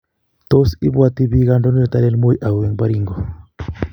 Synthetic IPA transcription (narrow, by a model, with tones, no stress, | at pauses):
t̪o˦si˦bwa˦t̪i˦bi˦ɣa˦ndɔ˦nɔ˦jɔ˨t̪a˦le˦lmo˦jʔa˨u˨e˨ŋba˦ɾi˦ŋɡɔ˨